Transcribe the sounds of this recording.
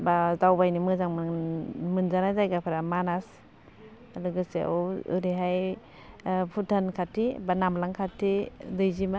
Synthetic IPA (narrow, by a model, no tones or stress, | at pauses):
bazawbajnimɯzaŋmɯmɯnzanazajɡapʰaɾamanas | alɯɡɯseɔɯ̰ɾiɦaj | pʰutʰankʰatʰibanamlaŋkʰatʰidɯjzima